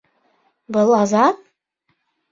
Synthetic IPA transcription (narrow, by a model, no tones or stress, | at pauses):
bɤlˠɑzɑt̪